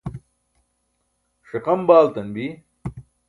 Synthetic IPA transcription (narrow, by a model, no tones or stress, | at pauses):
ʂeqɐmbaːlt̪ɐnbi